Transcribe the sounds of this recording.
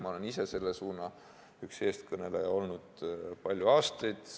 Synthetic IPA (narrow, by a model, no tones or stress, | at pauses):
mɑo̞le̞nise̞se̞lːesuːnɑ | ykse̞ːst̪kɤne̞lejo̞lnud̪̥pɑlʲjuɑːst̪ɑjd̪̥